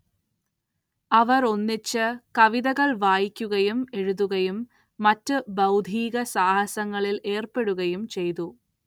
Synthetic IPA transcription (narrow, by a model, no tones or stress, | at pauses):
ɐʋɐɾo̞nːit͡ɕːɨkɐʋiðɐɣɐɭʋaːjikʲːuɣɐjume̞ɻuðuɣɐjumː | ɐtːɨbɐwd̪ʱiːɣɐsaːhɐsɐŋːɐɭile̞ːrpe̞ɽuɣɐjumt͡ɕe̞jt̪u